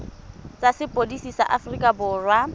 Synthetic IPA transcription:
t͡sʼasɪpʼodisisa̰ʔafrikʼabʊːrwa

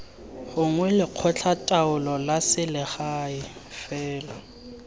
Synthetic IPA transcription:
hʊŋwɛlɪq͡χʰɔt͡ɬʰatʼaʊlɔlasɪlɪχaɪfɛːlɔ

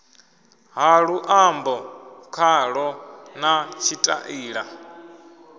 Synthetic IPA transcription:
ɦaɺuʔambɔkʰaɺɔnat͡ʃʰitʼa̰ʔiːɺa

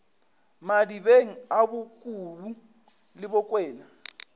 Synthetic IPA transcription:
madibeŋ̩abʊkʼulu | lɪbɔkʼwɛːna

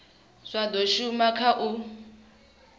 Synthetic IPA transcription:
ʂʷadɔʃumakʰaʔu

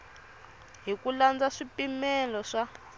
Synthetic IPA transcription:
ɦikuland͡zaʂipimɛlɔʂa

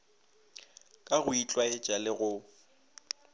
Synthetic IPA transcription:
kʼaɣʊit͡ɬʼwaɪt͡ʃʼalɪɣʊ

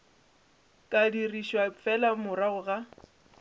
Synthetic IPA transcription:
kʼadiriʃwapfʰɛlamʊɾaɣʊɣa

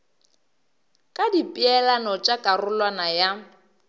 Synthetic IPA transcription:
kʼadipʼiɛlanɔt͡ʃʼakʼarʊlwanaja

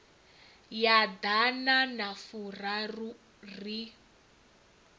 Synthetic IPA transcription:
jadananafurau | ri

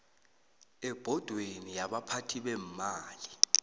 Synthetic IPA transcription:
ɛb̥ʱɔd̥ʱwenijaɓapʰatʰiɓɛm̩maːli

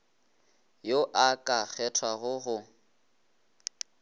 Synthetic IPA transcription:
joʔakʼak͡xʰɛtʰwaɣʊɣʊ

